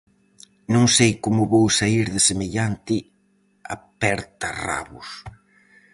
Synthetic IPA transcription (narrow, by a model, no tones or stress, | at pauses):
nõŋsejkomʊβowsaiɾðɪsemeʎant̪ɪ | a̰pɛɾt̪ɐra̰βʊ̰s